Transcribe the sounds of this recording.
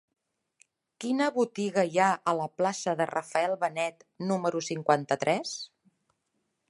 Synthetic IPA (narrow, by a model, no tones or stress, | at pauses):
kinəβut̪iɣəjaʔələplasəðərəfəɛlˠβənɛt̪numəɾusiŋkwant̪ət̪ɾʔɛs